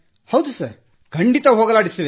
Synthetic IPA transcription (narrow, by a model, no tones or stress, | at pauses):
hɐwd̪usɐɾ | ɡʰʱɐɳɖit̪ɐɦoːɡɐlaːɽisɐʋe